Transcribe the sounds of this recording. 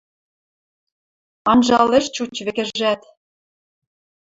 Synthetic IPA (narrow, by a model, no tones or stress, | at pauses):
ɑnʒɑlĕʃt͡ɕut͡ɕβĕkɘ̆ʒæt̪